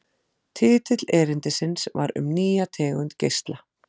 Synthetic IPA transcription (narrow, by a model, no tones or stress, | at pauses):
t̪ʰɪːt̪ʰɪt̪lɛːɾɪnt̪ɪsɪnsva̰ɾʏ̰mniːjat̪ʰɛːɣʏnt̪cejst̪la